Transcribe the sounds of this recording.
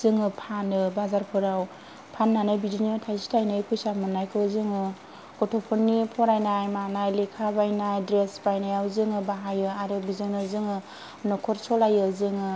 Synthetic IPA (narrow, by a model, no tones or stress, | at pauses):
zɯŋɯpʰanɯbazaɾpʰɯɾaw | pʰanːanɯbidinitʰajsi̥tajnɯjpʰujsamɯnːajkʰɯwzɯŋɯ | ɡ̥ɔtʰɔpʰɯnːipʰɔɾajnajmanajlikʰabajnajdɾesbajnajawzɯŋɯbaɦajɯaɾɯbizɯŋnɯzɯŋɯ | nɔkʰɔɾsɔlajɯzɯŋɯ